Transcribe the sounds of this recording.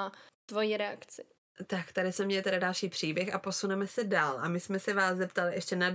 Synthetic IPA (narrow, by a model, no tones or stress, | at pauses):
at̪vojiːɾɛa̰kt͡sɪ | t̪akt̪adɪsmɛmɲɛlɪt̪ɛdadalʃiːpr̥iːbjɛxapo̞sunɛmɛsɛdaːlʔamɪsmɛsɛvaːszɛpt̪alɪʔɛʃcɛnad